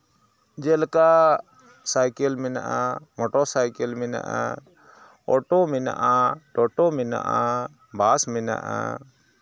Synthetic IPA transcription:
d͡ʒɛlka | sajkɛlmɛna̰ʔamɔʈɔsajkɛlmɛna̰ʔa | ɔʈɔmɛna̰ʔaʈɔʈɔmɛna̰ʔa | bʱasmɛna̰ʔa̰

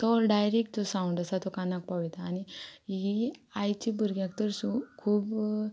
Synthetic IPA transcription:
t̪ɔɾɖajɾek̚ʈosãuɳɖasat̪ɔkanak̚paʋit̪aːniiajt͡ɕibuɾɡjãk̚t̪əɾsukʰuːb

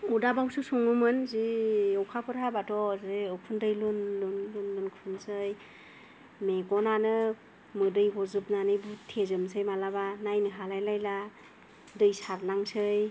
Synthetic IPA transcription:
udabawsɯsɔŋɯmɯnziɯwkʰapʰɯɾhabatʰɔzeɯwkʰɯndɯjlɯnlɯnlɯnlɯnkʰɯnsɯj | meɡɔnanɯ | mɯdɯjɡɔzɯp̚nanɯbutʰezɯmsʰɯjmalaβanajnɯɦalajlajla | dɯjsaɾnaŋsɯj

